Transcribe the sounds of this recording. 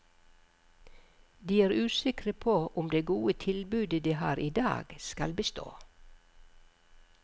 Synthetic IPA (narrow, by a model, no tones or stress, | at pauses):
d̪iːæːɾʉːsɪkɾəpʰoːʔʊmd̪eːɡuːət̪ʰɪlbʉːd̪əd̪iːhɑ̰ːɾiːd̪ɑ̰ːɡ̥skɑlbəst̪o̰ː